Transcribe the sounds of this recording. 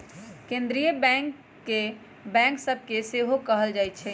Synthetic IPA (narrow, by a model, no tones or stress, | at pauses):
kẽnd̪ɾijəbɛ̃ŋkː | e | bɛ̃ŋksəb̚ʱkeseɦokəɦəld͡ʒajt̪̚t͡ʃʰɛ